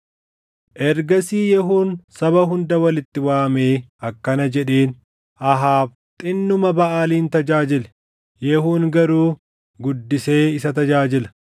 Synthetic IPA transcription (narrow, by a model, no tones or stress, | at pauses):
ʔɛɾɡɐsiːjɛɦuːnsɐβɐɦʊnd̪ɐwɐlɪt̪ːɪwaːme̞ːɐkːɐnɐd͡ʒɛᶑeːn | ʔɐɦaːf | t̪ʼɪnːʊmɐbɐʔaːliːnt̪ɐd͡ʒaːd͡ʒɪlɛ̥ | jɛhuːŋɡɐɾuː | ɡʊd̪ːɪse̞ːɪsɐt̪ɐd͡ʒaːd͡ʒɪlɐ̥